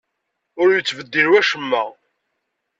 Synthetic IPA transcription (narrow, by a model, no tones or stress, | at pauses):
ʊɾjət͡sːvəd̪ːiɾwæʃəmːæ